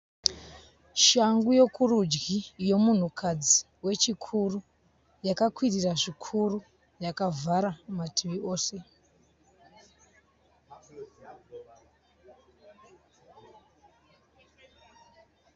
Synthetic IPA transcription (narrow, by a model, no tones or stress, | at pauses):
ʃaŋɡujo̞kʰurud͡ʒɡijo̞mun̤ukʰad͡zi | we̞t͡ʃikʰuru | jakakwiriraʐikʰuru | jakavʱaɾamatʰiʋio̞ːse̞